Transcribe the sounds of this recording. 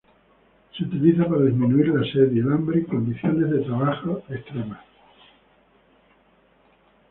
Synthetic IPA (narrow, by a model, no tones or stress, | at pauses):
seut̪iliθapaɾaðizmĩnuiɾlaseðielambɾiko̞nd̪iθjo̞ne̞zðe̞t̪ɾaβaxoest̪ɾemas